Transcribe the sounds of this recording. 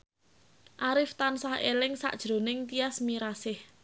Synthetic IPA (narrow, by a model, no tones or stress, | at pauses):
ʔaɾɪft̪ansahḛlɪŋsa̰ʔd̥ʒ̥ɾo̤nɪŋt̪iasmiɾasɪh